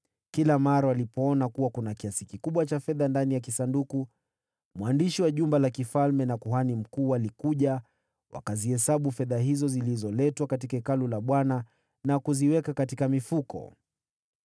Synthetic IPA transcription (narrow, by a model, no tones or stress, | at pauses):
kilamaɾawalipɔɔnakuwakunakiasikikuɓwat͡ʃafɛðandanijakisanduku | mwandiʃiwaʄumbalakifalmɛnakuɦanim̩kuːalikuʄa | wʔa̰kazihɛsaɓufɛðaɦizɔzilizɔlɛtwakatikaɛkalulaɓwana | nakuziwɛkakatikamifukɔ̰